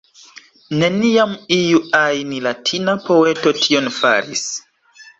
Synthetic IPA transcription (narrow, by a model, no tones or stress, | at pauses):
ne̞niamijuajnilatʰinapoetotʰionfa̰ɾḭs